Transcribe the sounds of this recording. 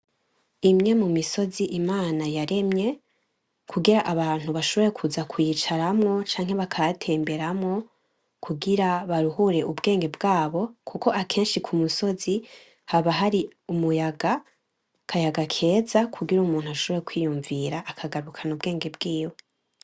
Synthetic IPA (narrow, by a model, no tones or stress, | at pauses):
imɲe̞mumiso̞ziʔimaːnajaɾe̞mɲe̞ | kʰuɡiɾaʔaβaːn̥huβaʃo̞βo̞ɾe̞kʰuzakʰujit͡ʃaɾamŋo̞t͡ʃaːŋhe̞βakʰajatʰe̞ːmbe̞ɾamŋo̞ | kʰuɡiɾaβaɾuhuɾe̞ʔubɡe̞ːŋɡe̞bɡaːβo̞kʰuko̞ʔakʰe̞ːnʃikʰumuso̞zi | haβaɦaɾiumujaɡa | kʰajaɡakʰe̞ːzakʰuɡiɾuːmuːnhuaʃo̞βo̞ɾekwiːjuɱviɾaʔːkʰaɡaɾukʰanubɡe̞ːŋɡe̞bɡiːwe